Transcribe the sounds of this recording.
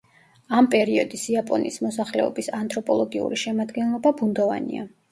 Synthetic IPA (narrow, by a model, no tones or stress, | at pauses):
ampʼɛɾiɔd̪isiapʼɔnḭsmɔsaχlɛ̰ɔbisant̪ʼɾɔpʼɔlˠɔɡiṵɾiʃɛmad̪ɡɛnlˠɔbabund̪ɔva̰nḭa̰